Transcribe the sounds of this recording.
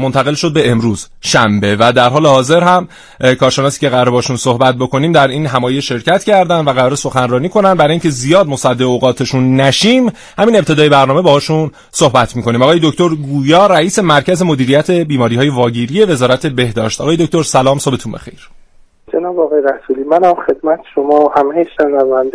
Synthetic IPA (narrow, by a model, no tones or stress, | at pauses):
mont̪ʰæɣe̞lʃo̞d̪̚be̞emɾuːz̥ | ʃæmbe̞væd̪æɾɦɒːle̞hɒːze̞ɾɦæm | kʰɒːɾʃe̞nɒːsiːceɣæɾebɒʃunsohbæt̪̚bo̞kʰo̞niːmd̪æɾiːnɦæmɒːjeʃe̞ɾcʰæt̪cʰæɾd̪ænd̪væɣæɾɒːɾeso̞xænrɒːniːkʰo̞nænd̪bæɾɒːjinŋcʰe̞zijɒːd̪̚mosæd̪ːeeoɣɒːt̪ʰe̞ʃunːæʃiːm | hæmiːnept̪ʰe̞d̪ɒːje̞bæɾnɒːme̞bɒːhɒːʃun | so̞hbæt̪ʰmiːkʰoniːmɒːɣɒːjeo̞ct̪o̞ɾɡuːjɒːɾæiːse̞mæɾcʰæze̞mo̞d̪iːɾijæt̪ʰe̞biːmɒːɾiːhɒːje̞vɒːɟiːɾiːje̞ve̞zɒːɾæt̪ʰe̞be̞hd̪ɒːʃt̪ɒ̰ɣɒːje̞d̪oc̚t̪o̞ɾsælɒːmsobe̞t̪ʰunbe̞̰xe̞̰jɾ | d͡ʒenɒːbɒɣɒːjeɾæsuliːmænhæmxe̞d̪mæt̪ʰe̥ʃomɒːhæmejeʃenævænd̪